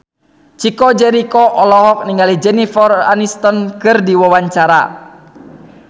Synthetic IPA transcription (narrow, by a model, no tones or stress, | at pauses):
t͡ʃikɔd͡ʒɛɾikɔʔɔlɔɦɔk̚niŋɡalid͡ʒɛnifɔra̰nist̪ɔnkɨrdiwawaɲt͡ʃaɾa̰